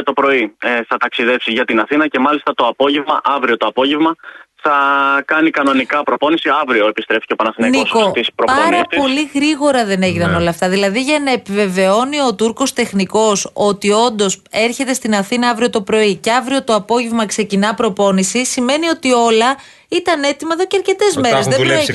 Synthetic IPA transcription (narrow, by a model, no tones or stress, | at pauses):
ɐt̪o̞pɾo̞iθɐt̪ɐksiðe̞psiʝɐt̪inɐθinɐce̞mɐlist̪ɐt̪o̞ɐpo̞ʝe̞vmɐ̰ʔɐvɾio̞t̪o̞ɐpo̞ʝevmɐθɐkɐnikɐno̞nikɐpɾo̞po̞nisiɐvɾio̞epist̪ɾe̞ficepɐnɐθinɐnoskot̪ispɾopɐɾɐpo̞liɣɾiɣo̞ɾɐðe̞ne̞ʝinɐno̞lɐːft̪ɐðilɐðiʝɐnɐepive̞ve̞o̞nio̞t̪uɾko̞st̪e̞xniko̞so̞t̪io̞nd̪o̞se̞ɾçe̞t̪e̞st̪inɐθinɐɐvɾio̞t̪o̞pɾo̞ice̞ɐvɾio̞t̪o̞ɐpo̞ʝevmɐkse̞cinɐpɾo̞po̞nisisime̞nio̞t̪io̞lɐ | it̪ɐne̞t̪imɐeðoceɐɾce̞t̪e̞zme̞ezðe